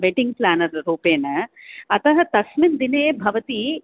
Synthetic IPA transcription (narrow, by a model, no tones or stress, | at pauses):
ʋeʈiŋɡ̚plaːnɐɾːuːpeːnɐɐt̪ɐɦɐt̪ɐsmind̪ineːbʱɐʋɐt̪i